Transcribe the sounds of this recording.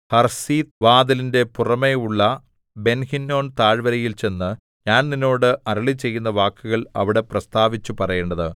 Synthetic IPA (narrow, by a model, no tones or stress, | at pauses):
hɐrsiːt̪ʋaːd̪ɐlinde̞purɐme̞uɭːɐ | be̞nhinːo̞ːnt̪aːɻʋɐɾɐjilt͡ɕe̞nːɨ | ɲaːnninːo̞ːɽɨɐɾɐɭit͡ɕe̞jːunːɐʋaːkːuɣɐɭɐ̰ʋiɽe̞prɐst̪aːʋit͡ɕːupɐrɐjeɳɖɐðɨ